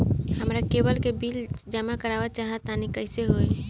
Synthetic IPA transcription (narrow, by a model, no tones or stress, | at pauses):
həmɾakebəlkebild͡ʒəmakəɾabat͡ʃaɦət̪ːanikəɪseɦoj